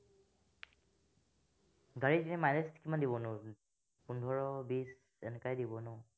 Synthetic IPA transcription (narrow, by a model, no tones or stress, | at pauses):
ɡaɹitinɛmanestʰkimandibɔnʊ̃ | pundʱɔɹɔbis | ɛnɛkajdibɔnʊ